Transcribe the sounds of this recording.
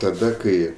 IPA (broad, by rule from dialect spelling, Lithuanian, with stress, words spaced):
tɐˈdɐ ˈkɐɪ